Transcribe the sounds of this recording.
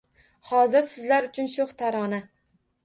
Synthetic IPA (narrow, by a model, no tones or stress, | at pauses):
hɒzɪɾsɪzlaɾʊt͡ʃʰʊnʃʊχt̪ʰaɾɒna